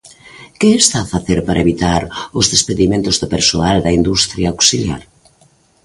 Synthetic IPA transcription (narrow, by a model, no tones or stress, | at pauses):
kɪːst̪aːfaθeɾpaɾɐeβit̪aɾʊzðespeðimẽnt̪ʊzðopeɾsoald̪ɐind̪ust̪ɾjaaksilja̰ɾ